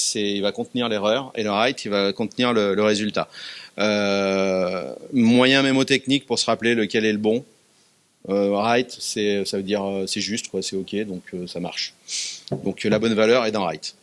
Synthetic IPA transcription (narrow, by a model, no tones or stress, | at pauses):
sɛilvakɔ̃t̪niʁleʁœʁḛləʁajt̪ilvakɔ̃t̪niʁlələʁezylt̪aø | mwajɛ̃memot̪ɛknik̚puʁsəʁapleləkʲɛlɛləbɔ̃ | øʁajt̪sɛøsavəd̪iʁøsɛʒyst̪kwasɛɔkʲed̪ɔ̃kʰøsama̰ʁʃ | d̪ɔ̃klabɔnvalœʁɛt̪ɑ̃ʁa̰jt̪